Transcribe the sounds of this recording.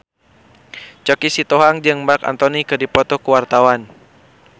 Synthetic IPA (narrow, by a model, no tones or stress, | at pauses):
t͡ʃɔkisit̪oɦaŋd͡ʒɨŋmarka̰nt̪ɔnikɨrdipɔt̪ɔkuwart̪awan